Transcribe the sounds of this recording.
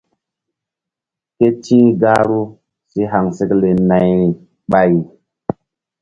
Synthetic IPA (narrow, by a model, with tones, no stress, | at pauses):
ke˦t͡ʃĩ˦ɡa˦ɾu˦ | si˦ɦa˨ŋse˦kle˨na˨j | ɓa˨j